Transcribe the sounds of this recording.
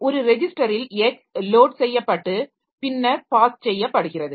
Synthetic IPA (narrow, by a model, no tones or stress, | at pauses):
ɔɾɯɾɛd͡ʒɪsʈɐɾɪlɛksloːʈsɛjːɐpːɐʈːɯ | pɪnːɐɾpaːst͡ʃɛjːɐpːɐɽɯɣɪrɐðɯ